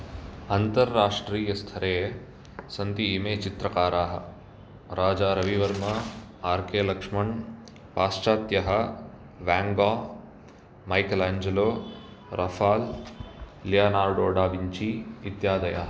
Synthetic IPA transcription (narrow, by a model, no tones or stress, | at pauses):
ɐnt̪ɐɾːaːʂʈɾiːjɐst̪ʰɐɾeː | sɐnt̪iːmeːt͡ʃit̪ɾɐkaːɾaːɦɐ̰̆ | ɾaːd͡ʒaːɾɐʋiʋɐɾmɐaːɾkeːlɐkʂmɐɳ | paːst͡ʃaːt̪jɐɦɐ | ʋaːŋɡaː | mɐjkɐlaːɲd͡ʒɐloː | ɾʔɐfʰaːlː | jaːnaːɾɖoːɖaːʋiɲt͡ʃiit̪jaːd̪ɐja̰ːɦɐ